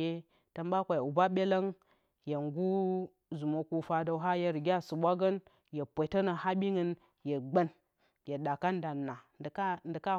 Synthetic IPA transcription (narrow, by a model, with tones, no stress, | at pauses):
e˦ | ta˨mba˦kʷa˨ju˨ba˦ɓe˦la˦ŋ | je˨ŋɡu˦ | zu˨mo˨ku˦fa˦da˦wɦa˦je˦ɾɡʲa˦su˨ɓʷa˦ɡə˦n | je˨pʷo˨tə˦na˨ha˦ɓi˦ŋə˦n | je˨ɡ͡bə˦n | je˨ɗa˨ka˦nda˨nːa˨˦ndə˨ka˦